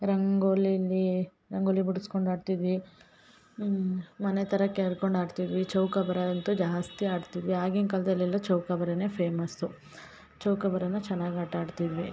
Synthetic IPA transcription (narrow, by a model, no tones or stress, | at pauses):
ɾɐŋɡoːliɐlːi | ɾɐŋɡoːlibuɽuskoɳɖaːɖt̪id̪ʋi | mɐnet̪ʰɐɾɐkːeːɐɽkoɳɖaːɖt̪id̪ʋit͡ʃɐwkɐbɐɾɐɐnt̪ud͡ʒaːst̪iaːɖt̪id̪ʋiaːɡiŋkɐld̪ɐlːilːɐt͡ʃɐwkɐbɐɾɐneːpʰeːmɐsu | t͡ʃɐwkɐbɐɾɐnːɐt͡ʃɛnːaːɡiaʈaːɖt̪id̪ʋi